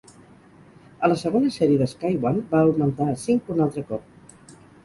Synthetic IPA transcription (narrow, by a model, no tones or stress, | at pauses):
ələsəɣ̞onəsɛɾiəðəskajwanbaumənt̪asiŋkunalˠt̪ɾəkɔp̚